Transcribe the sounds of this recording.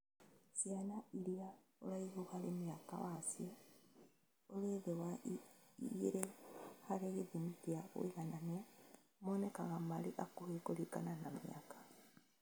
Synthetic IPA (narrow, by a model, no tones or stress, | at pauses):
sjanaiɾiao̰laiɣuhalemiaka̰wasio | oleðewa | ɣiɾehaleɣeðimitiaɣṵiɣanania | monekaɣamaliʔakuhekolika̰nanamja̰kḁ